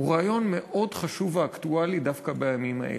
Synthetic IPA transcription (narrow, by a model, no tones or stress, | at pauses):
uʁaːjo̞nmeʔo̞dχaʃuvaːktualidafkabejamima̰ʔḛl